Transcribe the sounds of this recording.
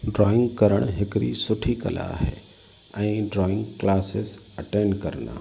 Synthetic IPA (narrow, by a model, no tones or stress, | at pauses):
ɖɾɔːɪ̃ŋɡkəɾəɽ̃ɦɪkɾḭsʊʈʰikə̰la̰ɦɛ̰ː | ɛ̃ĩɖɾɔːɪ̃ŋɡklaːsɪs | əʈeːnkəɾna̰